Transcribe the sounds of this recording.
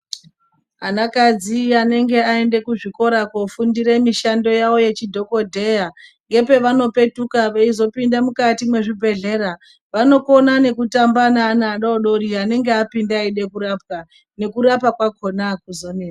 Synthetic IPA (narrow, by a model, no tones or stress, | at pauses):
ɦanakad͡ziane̞ŋɡe̞ae̞nde̞kuʐiko̞ɾakofundiɾe̞miʃando̞jaʋo̞je̞t͡ʃidʱo̞ko̞dʱe̞jaŋɡe̞pe̞ʋano̞pe̞tukaʋeizo̞pindamukatimwe̞ʐibʱe̞ɮe̞ɾa | ʋano̞ko̞nane̞kutambanaːnaɗaoɗo̞ɾiane̞ŋɡeapindaiɗe̞kuɾap̚ka | ne̞kuɾapakwako̞nakuzonea